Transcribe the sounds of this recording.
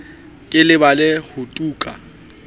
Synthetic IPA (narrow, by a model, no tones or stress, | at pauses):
kʼɪlɪbalɪhʊtʼuːkʼa̰